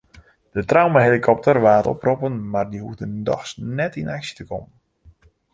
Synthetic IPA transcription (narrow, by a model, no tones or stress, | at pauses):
d̥ətrawməɦelikʰɔp̚tərʋaːtɔ̰propənmardiɦufdəndɔ̰xsnɛtinaksi̥təkɔmən